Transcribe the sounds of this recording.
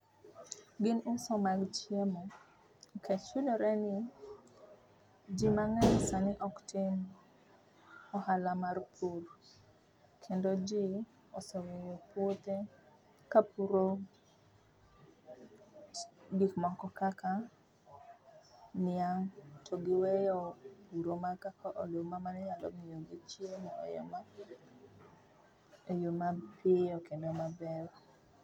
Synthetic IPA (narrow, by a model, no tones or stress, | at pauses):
ɡɪnʊsɔmaɡt͡ʃiemɔ | kʰet͡ʃunoɾɛnɪ | d͡ʒimaŋɛsanɪʔɔktɪn | ɔhalamarpʰur | kʰendod͡ʒi | ɔsɔwewopwot̪e | kapuɾo | dikmɔkɔkaka | nɪaŋtʰoɡɪwɛjɔpuɾomakakaʔolomamanɛɲalɔ̰mijoɡit͡ʃjemɛɔ̰jɔ̰ma | jomapeɔkendomabɛɾ